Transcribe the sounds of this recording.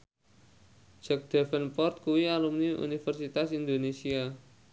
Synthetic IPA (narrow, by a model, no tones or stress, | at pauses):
d͡ʒ̥ak̚d̪̥ɛfənpɔrt̪̚kuwialumniʔṵnifərsit̪asind̪onesia